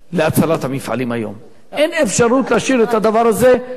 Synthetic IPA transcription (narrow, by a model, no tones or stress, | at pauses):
leat͡salat̪hamifʕa̰lima̰jo̰m | ʔenefʃaʁut̪laʃiʁet̪had̪avaʁaze̞